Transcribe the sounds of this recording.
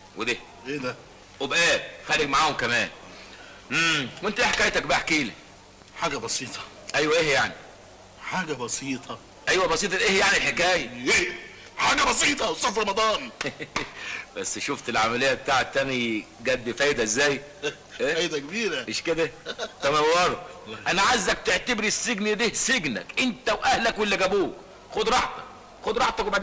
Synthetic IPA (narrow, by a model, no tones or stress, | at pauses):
wed̪e | eːd̪æ | wobʔæːxæːleɡ̚maʕaːhomkæmæːn | h̩mwʔent̪æʔeħekæːjt̪æk̚baħkiːli | ħaːɡæbɑsiːt̪ˤʰɑ̥ | ʔæjwæʔeːhjaʕni | ħaːɡæbɑsiːt̪ˤɑ | ʔæjwæbɑsiːt̪ˤɑʔeːhjaʕnilħekæːjæʔeː | ħaːɡæbɑsiːt̪ˤɑwsˤofɾˤɑmɑd̪ˤɑːɾ | b̥æsːʃoft̪elʕamælejːæbet̪aːʕet̪ːænɡæd̪ːfæjd̪æezːæːj | ʔeæjd̪ækebiːɾæmeʃked̪ætæmæwɑɾˤoʔænæʕazːæk̚t̪eʕt̪æbɾisːeɡnd̪iseɡnæ̰kʔent̪æwʔæhlækwelːæɡæbuːk | xod̪ɾˤɑħt̪ˤɑk̚ | xod̪ɾˤɑħt̪ˤɑkwebaʕd̪